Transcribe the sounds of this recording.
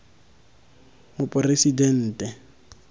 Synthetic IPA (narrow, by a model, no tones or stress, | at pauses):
mʊpʼʊresidɛn̩ːtʼɛ